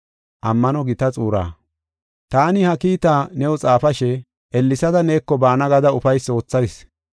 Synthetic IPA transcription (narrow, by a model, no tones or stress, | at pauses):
ʔɐmːɐnɔɡɪt̪ɐt͡sʼuːɾa̰ː | t̪aːnɪhɐkiːt̪aːnɛwɔt͡sʼaːfɐʃɛ | ʔɛlːɪsɐd̪ɐneːkːɔbaːnɐɡɐd̪ɐʊfɐjso̞ːt͡sːɐjs